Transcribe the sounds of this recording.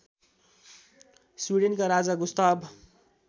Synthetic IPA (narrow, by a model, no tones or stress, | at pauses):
swiɽenkaɾad͡zaɡust̪ab